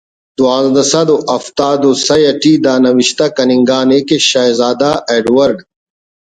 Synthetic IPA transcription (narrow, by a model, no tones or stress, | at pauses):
d̪uaːzd̪ɐsɐd̪oʔɐft̪aːd̪osɐjɐʈiːd̪aːnɐwiɕt̪akɐniŋɡaːnekeɕaːjzaːd̪aʔeːɖwɐɾɖ